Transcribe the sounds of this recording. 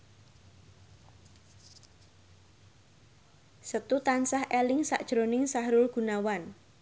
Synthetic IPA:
sət̪ut̪ansahʔelɪŋsa̰ʔd̥ʒ̥ɾonɪŋsahɾʊlɡ̥unawan

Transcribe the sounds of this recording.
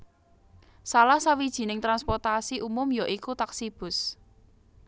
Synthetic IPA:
salahsawid̥ʒ̥i̤nɪŋt̪ɾanspɔrt̪asiʔumʊmjɔʔikut̪aksib̥ʊ̤s

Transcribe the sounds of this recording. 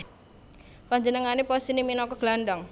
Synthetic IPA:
paɲd͡ʒənəŋanepɔsiniminɔkɔɡ̥landɔŋ

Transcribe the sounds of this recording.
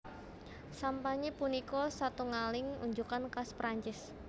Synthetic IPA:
sampaɲepunikɔsat̪uŋalɪŋṵɲd͡ʒukankaspɾaɲt͡ʃɪs

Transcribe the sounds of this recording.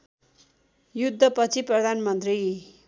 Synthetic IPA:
jud̪ʱːʌpʌt͡sʰiprʌd̪ʱanmʌnt̪ri

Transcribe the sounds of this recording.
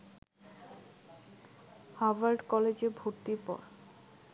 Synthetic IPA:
habaɾɖkɔled͡ʑeɾbʱoɾt̪iɾpɔ̰ɾ

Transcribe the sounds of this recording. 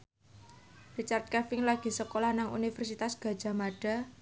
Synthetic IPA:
rit͡ʃart̪̚kɛfɪŋlaɡ̥i̤səkolahnaŋṵnifərsit̪asɡ̥ä̤̥d͡ʒ̥a̤maɖ̥a̤

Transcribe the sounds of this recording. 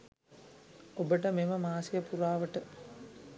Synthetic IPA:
obəʈəmeməmaːsijəpuɾaːʋəʈə

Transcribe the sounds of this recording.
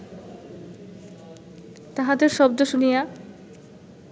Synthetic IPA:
t̪aɦad̪eɾʃɔb̚d̪oʃunija

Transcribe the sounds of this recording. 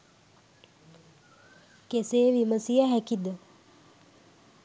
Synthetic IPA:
keseːʋiməsijaɦækid̪ə

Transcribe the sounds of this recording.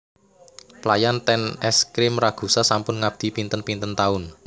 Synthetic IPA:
plajant̪ɛnɛskɾɪmraɡ̥ṳsasampʊnŋab̥̚d̪̥i̤pint̪ənpint̪ənt̪aʊn

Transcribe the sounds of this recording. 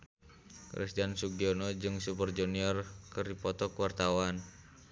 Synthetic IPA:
kɾɛ̰sdansuɡiɔnɔd͡ʒɨŋsupərd͡ʒuniɔrkəripɔt̪ɔkəwart̪awan

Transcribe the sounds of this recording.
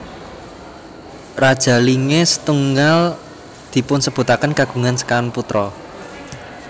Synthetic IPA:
rad̥ʒ̥ä̤liŋesə̥t̪uŋal | d̪̥i̤pʊnsəb̥ṳt̪akənkaɡ̥ṳŋansə̥kaanput̪ɾɔ

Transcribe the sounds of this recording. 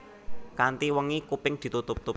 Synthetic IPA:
kant̪iwəŋikupɪŋd̪̥i̤t̪ut̪ʊp̚t̪ʊ

